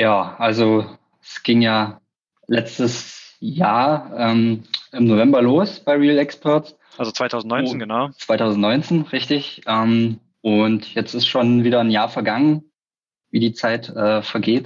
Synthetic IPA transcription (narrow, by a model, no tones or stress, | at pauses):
jaːʔalzo | ɛsɡ̥ɪŋjaː | lɛt͡stəsjaːɐʔɛːmɪmnovɛmbɐloːsb̥aɪʁiːlɛkspʰɔɐts | ʔalzot͡sv̥aɪtʰaʊz̩n̩nɔnɡənaʊt͡sv̥aɪtʰaʊzn̩tnɔʏnt͡seːnʁɪçtɪçʔɛːm | ʔʊntjɛt͡stɪstʃoːnviːɾɐnjaːɐfɛɐɡaŋən | viːdiːt͡saɪtʔɛːfɛɐɡeːt